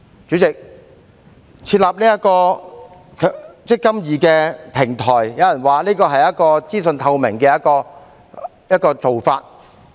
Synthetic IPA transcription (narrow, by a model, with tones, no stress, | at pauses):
t͡syː˨˥t͡sɪ˨k̚ | t͡sʰiː˧t̚laː˨p̚niː˥jɐ˥kɔː˧ | kʰːt͡sɪ˥kːɐ˥mjiː˨˩kɛː˧pʰɪ˨˩ŋt̪ʰɔː˨˩jjɐ˨˧wjɐ˨˩nwaː˨liː˥kɔː˧ɦɐ˨jɐ˥t̚kɔː˧t͡siː˥sɵ˧nt̪ʰɐ˧wmɪ˨˩ŋkɛː˧jɐ˥t̚kɔː˧ | jɐ˥t̚kɔː˧t͡so˨wfaː˧t̚